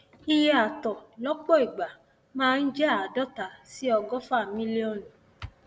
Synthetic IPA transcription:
i˦je˦a˨tɔ˨lɔ˦k͡pɔ˦i˨ɡ͡ba˨ | mãː˦n̩˦d͡ʒɛ˦a˨dɔ˦ta˨si˦ɔ˧ɡɔ˦fa˦˨mĩ˦li˦ɔ˦˨n˨

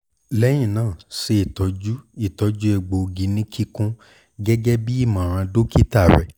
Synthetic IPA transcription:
lɛ˦j̃ĩ˦˨nãː˦˨se˧i˦˨tɔ˨˦d͡ʒu˦i˦˨tɔ˨˧d͡ʒu˦e˧˨ɡ͡bo˨˧ɡi˧nĩ˦kʰi˦kũ˦ | ɡɛ˦ɡɛ˦bi˦i˦˨mã˨ɾ̃ã˧do˦ki˦ta˦˨ɾɛ̰˧˦

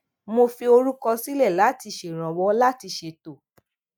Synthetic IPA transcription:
mo˧fi˧o˧ɾu˦kɔ˧si˦lɛ˦˨la˨˦ti˧ʃe˨ɾ̃ã˨wɔ˨˧˦la˦ti˧ʃe˧˨to˨

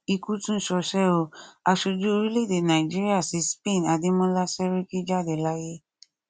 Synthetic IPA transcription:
i˧ku˦tũ˦ʃɔ˧ʃɛ˦o˧a˧ʃo˧d͡ʒu˦o˧ɾi˦le˦˨de˨nã˨i˨d͡ʒi˦ɾi˦a˦˨si˨˦spẽ˦˨n˨a˨di˨˦mɔ̃˦la˦sɛ˦ɾi˦ki˦d͡ʒa˦˨de˨la˦je˦

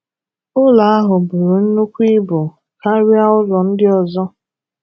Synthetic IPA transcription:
ʊ˦la˨a˦ɦʊ˨bu˨ɾu˨n̩˦nu˦kʷi˦bʊ˨ | ka˦ɾɪ˦a˦ʊ˦lɔ˨n̩˦dɪ˦ɔ˨zɔ˦

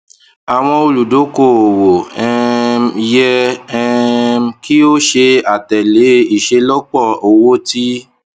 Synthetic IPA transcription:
a˨w̃ɔ̃˧o˧lu˨do˨˦ko˨o˨wo˨ɛ˧m˧jɛ˧ɛ˧m˦ki˦o˦ʃe˧a˨tɛ˨le˨˦i˨ʃe˧lɔ˦k͡pɔ˦˨o˨wo˦ti˦

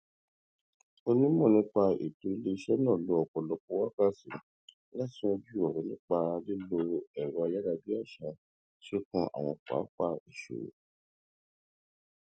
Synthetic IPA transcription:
o˧nĩ˦mɔ̃˦˨nĩ˨˦k͡pa˧ḛ˨tu˨˦i˦le˧ʃɛ˦nã˦˨lo˨˧˦ɔ˨k͡pɔ˨lɔ˧ko˦wa˦ka˦sĩ˨ | la˦˨ti˨˦ɔ̃˧bi˦ɔ˨ɾĩ˨˦nĩ˦k͡pa˧le˦lo˧ɛ˨ɾɔ̃˧a˧ja˦da˧bi˦a˦˨ʃa˧ | ʃe˦kɔ̃˧ʔa̰˨w̃ɔ̃˧k͡pa̰ː˨˦k͡pa˧i˨ʃo̰˨˦

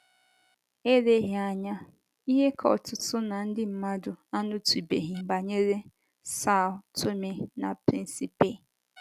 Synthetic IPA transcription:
e˦ɾe˦ɦa˨ɲa˦ | i˦ɦe˦kʰɔ˨tʊ˨tʊ˦na˨n̩˦dɪ˦m̩˦ma˦dʊ˨a˦nʊ˦tu˨be˨ɦi˨ba˨ɲe˦ɾe˦ | sa˦˨tʰo˦me˨na˨pɾi˦n˦si˦pe˦˨

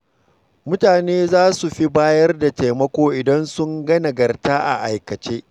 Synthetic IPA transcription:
mʊ˦taː˨neː˦zaː˦su˨ɸi˦baː˦jɐ˦rda˨ta˨mɐ˦kʷoː˦ʔɪ˨dɐ˦nsʊ˦ŋɡɐ˦na˨ɡɐ˨rtaː˦ʔa̰˨ʔa˨jkɐ˨t͡ʃeː˦ʔ

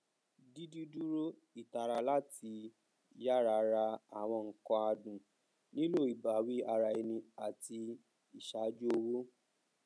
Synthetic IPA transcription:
di˦di˦du˦ɾo˦ | i˨ta˨ɾa˧la˦ti˧ | ja˦ɾa˧ɾa˧a˨w̃ɔ̃˧ŋ̩˨kɔ̃˧a˧dũ˨ | nĩ˦lo˦˨i˨ba˨wi˦a˧ɾa˧e˧nĩ˧a˨ti˧ | i˨ʃa˨˦d͡ʒu˦o˧wo˦

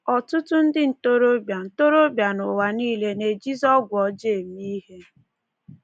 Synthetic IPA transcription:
ɔ˨tʊ˦tʊ˦n̩˦dɪ˦n̩˨to˦ɾo˦bja˨n̩˨to˦ɾo˦bja˨no˨wa˨niː˦le˦ne˨d͡ʒi˦zɔ˦ɡʷɔ˨˦d͡ʒe˦˨mi˦ɦe˦

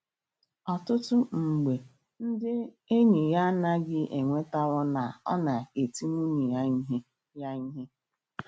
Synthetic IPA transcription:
ɔ˨tʊ˦tʊ˦ŋ͡m̩˨ɡ͡be˨ | n̩˦dɪ˦ | e˦ɲe˨ja˦na˦ɡɪ˦ʔe˨ŋʷe˦ta˦wɔ˦na˨ɔ̰˦na˨e˨ti˦mu˦ɲi˨ja˦ɦe˦ | ja˦i˦ɦe˦

